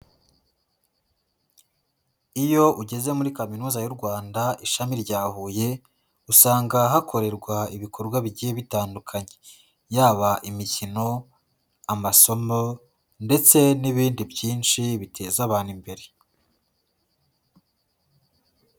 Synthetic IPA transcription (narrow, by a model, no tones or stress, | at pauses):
ijo̞ʔuɟe̞ze̞muɾikaminuːzajuɾɡwaːndaʔiʃamiɾɟaːhuːje̞ | usaːŋɡaɦakʰo̞ɾe̞ɾɡwaiβikʰo̞ɾɡwaβiɟieβitaːndukʰaɲe̞ | jaːβaʔimicino̞ | amaso̞mo̞ | nde̞t͡se̞niβiːndibɟiːnʃiβitʰe̞ːzaβaːnimbe̞ɾe̞